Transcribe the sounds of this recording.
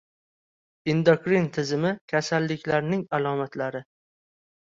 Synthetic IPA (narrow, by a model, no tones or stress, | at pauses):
ɪnd̪okɾint̪ʰɪzɪmɪkʲʰasalːɪkʲʰlaɾnɪŋalɒmat̪laɾɪ